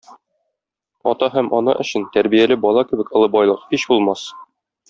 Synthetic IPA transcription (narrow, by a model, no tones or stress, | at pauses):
ɒ̰t̪ɑɦæmʔɒnɤ̰ʔɵ̆ɕɘnt̪æɾbijælɘbɒlˠɑkɘ̆bɘ̆kɤ̆ɤbɒjlˠɤqhiɕbulˠmɑs